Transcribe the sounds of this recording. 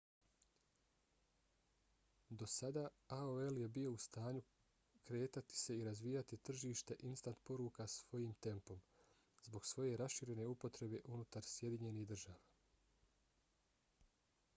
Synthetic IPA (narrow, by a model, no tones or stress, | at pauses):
d̪o̞sad̪aː | aoe̞lje̞bijo̞ust̪aːɲu | kɾe̞ːt̪at̪i̥se̞iɾazʋijat̪it̪r̩ʒiːʃt̪e̞ʔinst̪ant̪po̞ɾuːkasʋo̞jiːmt̪e̞mpo̞m | zbo̞ɡsʋo̞je̞ɾasʃiɾe̞ne̞upo̞t̪ɾe̞be̞ʔunut̪aɾsje̞d̪iɲe̞niɦd̪r̩ʒaːʋaː